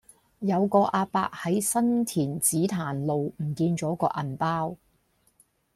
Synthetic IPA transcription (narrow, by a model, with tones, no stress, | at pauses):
jɐ˨˧wkɔː˧ʔaː˧pa̰ː˧k̚hɐ˨˥jsɐ˥nt̪ʰiː˨˩nt͡siː˨˥t̪ʰaː˨˩nlo˨wm̩˨˩kiː˧nt͡ʃɔː˨˥kɔː˧ʔɐ˨˩npaː˥w